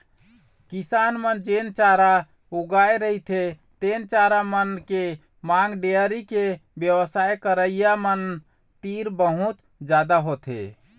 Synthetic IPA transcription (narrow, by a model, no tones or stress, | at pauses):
kisanmənd͡ʒent͡ʃaɾa | uɡaeɾəɦit̪ʰet̪ent͡ʃaɾamənke | maŋɡɖeəɾikebjəwəsaekəɾəijamən | t̪iɾbəɦut̪ | d͡ʒad̪aɦot̪ʰɦḛ